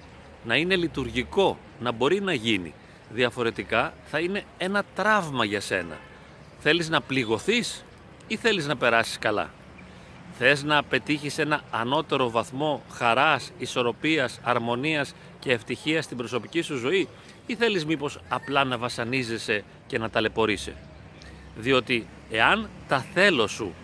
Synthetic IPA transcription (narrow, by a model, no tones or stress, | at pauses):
nɐine̞lit̪uɾʝiko̞ | nɐbo̞ɾinɐʝinḭ | ðiɐfo̞ɾe̞t̪ikɐθɐine̞e̞nɐt̪ɾɐvmɐʝɐse̞̰nɐ̰ | θe̞liznɐpliɣo̞θis | iθe̞liznɐpe̞ɾɐsi̥skɐlɐ̰ | θe̞znɐpe̞t̪içise̞nɐːno̞t̪e̞ɾo̞vɐθmo̞xɐɾɐsiso̞ɾo̞piɐsɐɾmo̞niɐs | ce̞ːft̪içiɐst̪imbɾo̞so̞picisuzo̞i | iθe̞lizmipo̞sɐplɐnɐvɐsɐnize̞se̞ | ce̞nɐt̪ɐle̞po̞ɾise̞̰ | ðio̞t̪i | e̞ɐnt̪ɐθe̞lo̞su